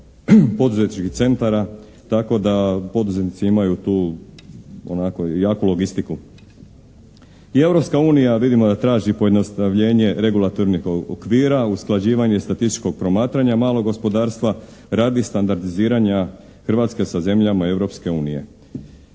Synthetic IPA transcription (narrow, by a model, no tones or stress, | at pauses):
po̞d̪uzet̪nit͡ʃkit̪se̞nt̪aɾa | t̪ako̞d̪apo̞d̪uzet̪nit̪siimajut̪uː | o̰nakojaːkulo̞ɡist̪iku | ie̞ʋɾo̞pskauːnijaʋid̪imo̞d̪at̪ɾaːʒipo̞je̞d̪no̞st̪aʋʎe̞ːɲe̞ɾe̞ɡulˠat̪o̞ɾnixoo̰kʋiːɾausklˠad͡ʑiːʋaɲe̞st̪at̪ist̪i̥t͡ʃko̞ɡ̚pɾo̞maːt̪ɾaɲamaːlˠoɡo̞spo̞d̪aːɾst̪ʋa | ɾaːd̪ist̪and̪aɾd̪iziːɾaɲa | xɾʋat̪ske̞saze̞mʎamae̞ʋɾo̞pske̞uːnije̞̰